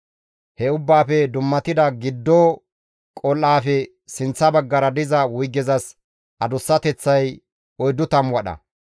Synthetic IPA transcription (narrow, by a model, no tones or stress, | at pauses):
hɛʊbːaːfɛd̪ʊmːɐt̪ɪd̪ɐɡɪd̪ːo | kʼɔlːaːfɛ | sɪnt͡sːɐbɐɡːɐɾɐd̪ɪzɐwʊjɡːɛzɐs | ʔɐd̪ʊsːɐt̪ɛt͡sːɐj | ɔjd̪ʊt̪ɐmwɐɗɐ̰